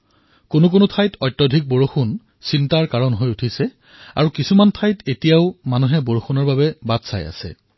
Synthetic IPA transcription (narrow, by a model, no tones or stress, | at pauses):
konʊk̬onʊtʰajtʰɔjtːɔdʱik̚boɹoxun | sintaɹkaɹɔnɦojutʰisɛ | a̰ɹukisumantʰajtetijaʊmanuɦɛboɹoxunɔɹbabɛbatsa̰ja̰sɛ̰